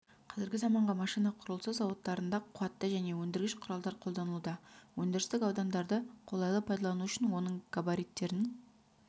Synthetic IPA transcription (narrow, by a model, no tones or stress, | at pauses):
qʰɑzɪɾɡʲɪzɑmɑɴʁɑmɑʃijnɑqʰʊɾəlˠsəzːɑwət̪ːɑɾənd̪ɑqʰʊɑt̪ːəʒæne̞wɵnd̪ɪɾɡʲɪʃqʰʊɾɑlˠd̪ɑɾqʰolˠd̪ɑnəlˠud̪ɑwɵnd̪ɪɾɪst̪ɪkɑwd̪ɑnd̪ɑɾd̪əqʰo̞lˠɑjlˠəpʰɑjd̪ɑlˠɑnuʏʃɪnwo̞nəɴkabaɾijt̪ːe̞ɾɪn